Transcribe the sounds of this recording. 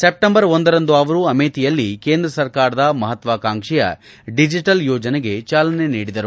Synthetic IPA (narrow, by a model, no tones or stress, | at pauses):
sep̚ʈembɐɾond̪ɐɾɐnd̪uɐʋɐɾuɐmeːt̪ijɐlːike̞ːnd̪ɾɐsɐɾkaːɾɐd̪ɐmɐɦɐt̪ʋaːkaːŋkʂɛjɐ̰ | ɖid͡ʒiʈɐljɔːd͡ʒɐneɡe̞t͡ʃaːlɐne̞niːɽid̪ɐɾu